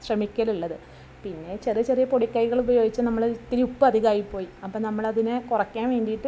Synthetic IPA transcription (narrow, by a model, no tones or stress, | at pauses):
ɕrɐmikʲːɐluɭːɐðɨ | pinːe̞t͡ɕerijɐt͡ɕerijɐpo̞ɽikːɐjɣɐɭubɐjo̞ːɡit͡ɕːɨnɐmːɐɭt̪iɾupːɨɐd̪ʱiɣaːjipːo̞ːjiɐpːoːnɐmːɐɭɐðinɨkurɐkːaːnʋe̞ːɳɖijiʈːɨ